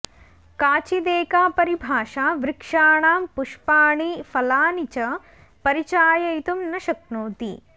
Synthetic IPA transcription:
kaːt͡ʃid̪eːkaːpɐɾibʱaːʃaːʋɾɪkʂaːɳaːmpuʂpaːɳifɐlaːnit͡ʃɐ | pɐɾit͡ʃaːjɐjt̪umnɐʃɐk̚noːt̪ḭ

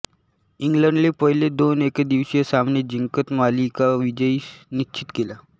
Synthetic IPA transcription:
iŋɡləɳɖlepəɦiled̪oneked̪iʋsjəsamned͡ʑiŋkət̪malikaʋid͡ʑəinit͡ɕit̪kela

